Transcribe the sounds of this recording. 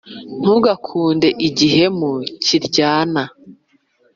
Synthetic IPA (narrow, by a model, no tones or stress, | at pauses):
n̥uɡakʰuːnde̞ʔiɟiɦe̞muciɾɟaːna